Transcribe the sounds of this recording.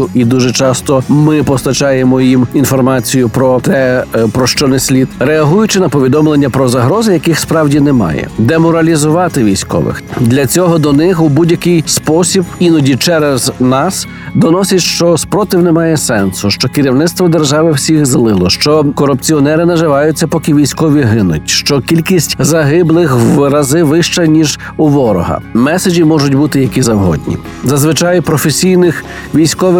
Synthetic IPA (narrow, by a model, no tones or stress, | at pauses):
ʊʔid̪uʒɛt͡ʃɑst̪ɔmɪpɔst̪ɐt͡ʃɑjemɔjiminfɔrmɑt͡sʲijʊpɾɔt̪ɛpɾɔʃt͡ʃɔnɛsʲlʲid̪ɾeɐɦujʊt͡ʃɪnɐpɔʋʲid̪ɔmlˠenʲːɐpɾɔzɐɦɾɔzɪjɐkɪxspɾɑwdʲinɛmɑ̰jɛ̰d̪ɛmɔɾɐlʲizʊʋɑt̪ɪʋʲijsʲkɔ̰ʋɪ̰xd̪lʲɐt͡sʲɔɦɔd̪ɔnɪxubudʲjɐkɪjspɔsʲibinɔdʲit͡ʃɛɾɛznɑs | d̪ɔnɔsʲɐtʲʃt͡ʃɔspɾɔt̪ɪwnɛmɑjɛsɛnsʊʃt͡ʃɔkɪɾʲiwnɪt̪st̪ʋɔd̪erʒɑʋɪwsʲixzlˠɪlˠɔʃt͡ʃɔkɔɾʊp̚t͡sʲiɔnɛɾɪnɐʒɪʋɑjʊt͡sʲːɐpɔkɪʋʲijsʲkɔʋʲiɦɪnʊ̰tʲʃt͡ʃɔkʲilʲkʲisʲtʲzɐɦɪblˠɪxwɾɐzɪʋɪʃt͡ʃɛnʲiʒ | ʊʋɔɾɔ̰ɦɐ̰mɛsed͡ʒʲimɔʒʊtʲbut̪ɪjɐkʲizɐwɦɔ̰dʲnʲḭ | zɐzʋɪt͡ʃɑjpɾɔfesʲijnɪx | ʋʲijsʲkɔʋɪ